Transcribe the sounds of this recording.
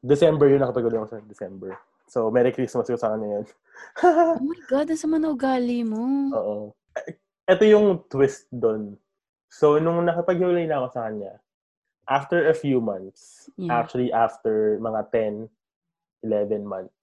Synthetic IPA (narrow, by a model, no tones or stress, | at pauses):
d̪ɛsɛmbɛɹjʊnɐkɐp̪ɐɡʊlɐjɐkosɐd̪ɛsɛmbɛɹ | somɛɾɪkɾismɐskosɐkɐɲɲɐjon | omɐjɡad̪ɐnsɐmɐnɐʔʊɡaːlimoʔoːʔo | ʔɛt̪ojʊŋt̪wɪst̪̚d̪on | so̞nʊŋnɐkɐpɐɡ̚hɪwɐlajnɐɐko̞sɐkɐnɲa̰ | ʔaft̪ɛɹɐfjumɐ̃nt̪s | ʔak̚t͡ʃuɐliʔaft̪ɛɹmɐŋat̪ɛn | ʔɪlɛvɛnmɐnt̪̚s